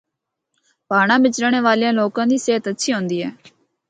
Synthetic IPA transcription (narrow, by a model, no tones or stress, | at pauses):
paːɽ̃ãːbɪt͡ʃɾəɳeːʋaːlijãːloːkãːd̪iːseːɦət̪ətːʃʰiːɦõːnd̪iːɦɛː